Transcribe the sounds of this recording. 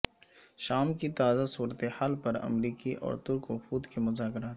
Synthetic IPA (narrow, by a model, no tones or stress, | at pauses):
ʃaːmkit̪aːzasuːɾət̪ehaːlpɐɾɐ̰mɾiːkiʔɔ̰ːɾt̪ʊɾkofuːd̪kimʊzaːkɾaːt̪